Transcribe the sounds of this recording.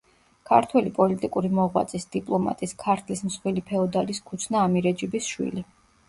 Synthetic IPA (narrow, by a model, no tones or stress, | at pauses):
kʰaɾt̪ʰwɛlipʼɔlit̪ʼikʼuɾimɔʁwa̰t̪sʼisd̪̥ipʼlˠɔma̰t̪ʼiskʰaɾt̪ʰlismsχwilipʰɛɔd̪aliskʰut̪sʰnaːmiɾɛd͡ʒibisʃwḭli